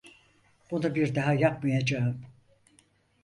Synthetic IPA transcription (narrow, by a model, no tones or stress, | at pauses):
b̥unubiɾd̪aɦajak̚majad͡ʒaɯm